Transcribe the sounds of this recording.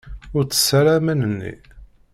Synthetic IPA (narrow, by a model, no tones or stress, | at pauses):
ʊɾt͡sːə̥sːɾamənənːḭ